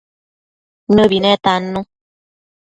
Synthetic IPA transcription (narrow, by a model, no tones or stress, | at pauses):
nəbinɛ̃t̪anũ